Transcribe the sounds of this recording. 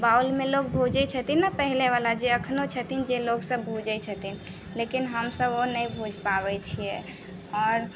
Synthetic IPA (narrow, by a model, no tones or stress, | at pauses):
bawlmẽloɡ̚bʱod͡ʒɛt͡ʃʰət̪inːapəɦileʋalad͡ʒeəkʰnot͡ʃʰət̪ind͡ʒeloɡsəbbʱud͡ʒət͡ʃʰət̪in | lekinɦəmsəbonəĩbʱud͡ʒʱpaβɛt͡ʃʰijɛ | ɔːɾ